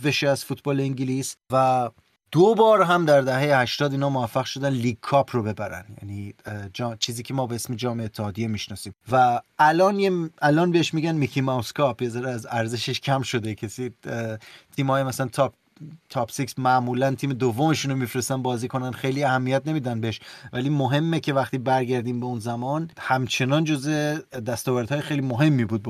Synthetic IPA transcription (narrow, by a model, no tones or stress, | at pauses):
veʃeæz̥fuːt̪ʰbɒːleiŋɟilisvæ | d̪̥obɒːɾɦæmd̪æɾd̪æhe̞jehæʃt̪ɒːd̪iːnɒːmovæfːæɣʃo̞d̪ænliːɡ̚kʰɒːpʰrobe̞bæɾæ̰njæ̰niːd͡ʒɒt͡ʃʰiːziːcʲʰe̞mɒːbeesmed͡ʒɒːmeeːt̪ʰːehɒːd̪ijemiʃnɒːsiːmvæːlɒːnjeælɒːnbeeʃmiːɟænmikʰimɒwskʰɒpʰjezɒːɾeæzæɾzeʃeʃcʰæmʃo̞d̪e̞cʰesiː | t̪ʰiːmhɒːjemæslænt̪ʰɒp | t̪ʰɒpsiksmæʔmuːlænt̪ʰiːme̞d̪ovːomeʃuːnomifɾest̪ænbɒːziːkʰo̞nænd̪xejliːæhæmːijæt̪̚ʰne̞miːd̪ænbeeʃvæliːmoɦe̞mːecʰʲevæxt̪iːbæɾɟæɾd̪iːmbeunzæmɒːnhæmt͡ʃʰe̞nɒːnd͡ʒo̞zed̪æst̪ɒːvæɾd̪hɒːjexejliːmoɦe̞mːibuːd̪̚